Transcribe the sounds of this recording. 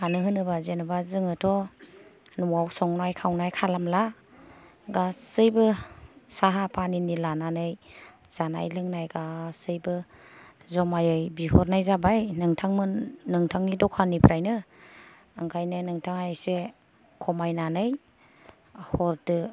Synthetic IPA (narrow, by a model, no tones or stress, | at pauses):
anɯɦɯnɯbazenɯbazɯŋɯtʰɔ | nuawsɔŋnajkʰawnajkʰalamla | ɡasɯjbɯsaɦapʰaninilananɯj | z̥ana̰jlɯŋnajɡasɯjbɯ | zɔmajɯjbihɔɾnajzabajnɯŋtʰaŋmɯnɯŋtʰaŋnidɔkʰanipʰɾajnɯ | ɯŋkʰajnɯnɯŋtʰaŋajajse | kʰɔmajnanɯj | hɔɾtɯ